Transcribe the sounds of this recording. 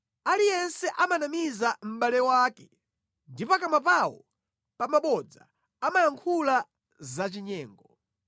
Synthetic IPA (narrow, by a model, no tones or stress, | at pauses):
alijɛnsɛʔamanamizam̩ɓalɛwaːkɛ | ndipakamap̬awɔ̰ | pamaɓɔd͡za̰ː | majaŋkʰula | zat͡ʃiɲɛːŋɡɔ